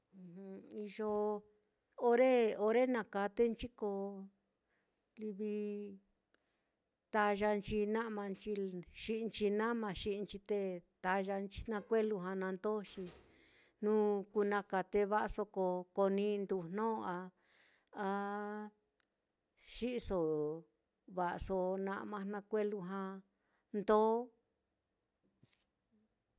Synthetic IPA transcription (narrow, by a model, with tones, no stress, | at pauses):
hũ˧i˧ʒo˧ | o˧ɾe˦o˧ɾe˦nã˧˨ka˧t̪e˦nt͡ʃi˦ko˧ | li˧βi˧ | t̪a˧ʒa˧nt͡ʃi˧nã˦ʔmã˧nt͡ʃi˧ʃi˦˧nt͡ʃi˧nã˦mã˧ʃi˦ʔnt͡ʃi˧t̪e˧t̪a˧ʒa˧nt͡ʃi̥˧nã˧kʷe˦lu˧ɦã˧nã˧nd̪o˦ʃi˧ | nũ˦ku˧nã˧ka˧˨t̪e˧βa˦ʔso˧ko˧ko˧nĩ˧˦˧nd̪u˧nnõː˦˧a˧ | a˧ | ʃi˦ʔso˨ | βa˧ʔso˧nã̰˧ʔmã˧nã˧kʷe˦lu˧ɦã˧ | nd̪oː˦